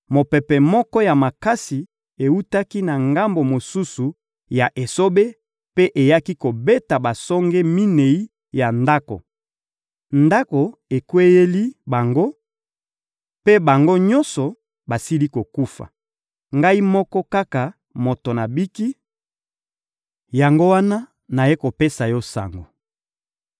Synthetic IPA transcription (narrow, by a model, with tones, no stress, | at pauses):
mo˨pɛ˨pɛ˨mɔ˦kɔ˦ja˨ma˨ka˦si˨ | e˨u˦ta˦ki˦na˨ŋɡa˦mbo˨mo˨su˦su˨ | ja˨ʔe˨so˦be˦ | pe˦ʔe˨ja˦ki˦ko˨be˦ta˨ba˨sɔ˦ŋɡɛ˦mi˦ne˨i˦ | ja˨nda˦ko̰˨ | nda˦ko˨e˨kwe˦je˦li˦ba˨ŋɡo˦ | pe˦ba˨ŋɡo˦ɲɔ˦nsɔ˨ | ba˨si˦li˦ko˨ku˦fa̰˨ | ŋɡa˦i˦mɔ˦kɔ˦ka˦ka˨ | mo˨to˨na˨bi˦ki˦ | ja˨ŋɡo˦wa˦na˦ | na˨je˦ko˨pe˦sa˨jɔ˦sa̰˨ŋɡo˨